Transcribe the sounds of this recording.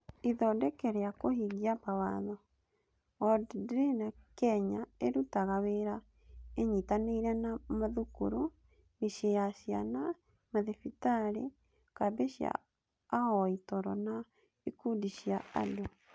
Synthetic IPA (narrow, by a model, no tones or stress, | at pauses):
iðɔdɛkɛɾeakohiɣiapawaðɔ | ɔddɾenakɛɲaeɾutaɣaweɾa | eɲitaneiɾɛnamaðukuɾu | miʃejasia̰na | maðefitaɾe | kabeɕja̰ː | hɔitɔɾɔna | ikudiʃiaa̰do